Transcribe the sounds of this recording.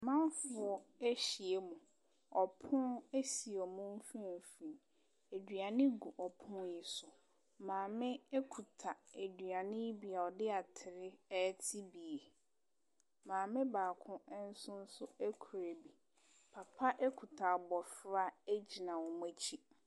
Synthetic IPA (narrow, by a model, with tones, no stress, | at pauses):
mã˦mfʊ˨ɔ˦e˦ɕi˨e˦mʊ̃˨ | ɔ˨pʰʊ̃˦ne˦si˨ɔ˨mʊ̃˦m˦fĩ˦˨fĩ˨ | e˨dɥa˨nɪ̃˦ɡu˨ʔɔ˨pʰʊ̃˦njɪ˨sʊ˨ | mãː˨mɪ̃˦ɛ˦kʰu˨tʰa˨e˨dɥa˨nɪ̃˦i˦bi˨a˨ɔ˨dɪ˦a˨tʰɪ˨ɾɪ˦ɛː˦tʰi˦bi˨e˨ | mãː˨mɪ̃˦baː˨kʰʊ̃˦ɛ˦n̩˦sʊ˦n̩˦sʊ˦æ˦kʰu˨ɾe˨bi˨ | pʰa˨pʰa˦ʔe˦kʰu˨tʰa˨bɔ˨fɾa˦˨e˦d͡ʑi˨nã˨wɔ˨mʊ̃˦æ˦t͡ɕʰi˦